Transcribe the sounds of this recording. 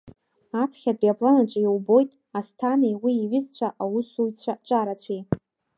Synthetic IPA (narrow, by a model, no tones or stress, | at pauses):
apʰχʲabiapʰʼlanaʈ͡ʂʼɪjwbo̞jtʼ | astʰanejwiːɥɪzt͡ɕʷʰaʔawusujt͡sʷʰaʈ͡ʂʼaɾat͡sʷʰij